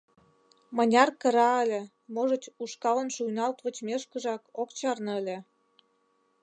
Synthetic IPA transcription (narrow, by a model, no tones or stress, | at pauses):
mɤ̆nʲɑrkə̆ɾɑəlʲĕ | moʒə̆t͡ɕuʃkɑlə̆nʃujnɑlt̪βə̆t͡ɕmeʃkə̆ʒɑkokt͡ɕɑrnɤ̆əlʲĕ